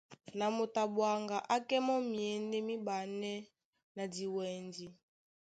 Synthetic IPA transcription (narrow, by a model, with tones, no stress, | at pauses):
na˨mo˨ta˨bwa˨ŋɡa˨ʔa˦kɛ˦mɔ˦mi˨ɛ˨ndɛ˦mi˦ba˨nɛ˦ | na˨di˨wɛ˨ndi˨